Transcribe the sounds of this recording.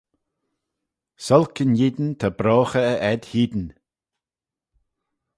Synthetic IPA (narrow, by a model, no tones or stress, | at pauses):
sɔlkʰənjid̪n̩t̪ʰabɾɔːxəːʔɛd̪̥hiːd̪n̩